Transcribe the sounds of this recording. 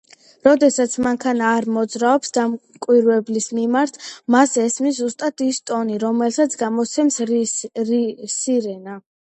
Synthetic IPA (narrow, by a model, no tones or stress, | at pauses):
ɾɔd̪ɛsat̪sʰmaŋkʰanaːɾmɔd̪zɾaɔpsd̪am | kʼwiɾvɛblismimaɾt̪ʰmasɛsmiszːust̪ʼat̪ʰist̪ʼɔniɾɔmɛlsat̪sʰɡamɔt̪sʰɛmsɾsiɾɛna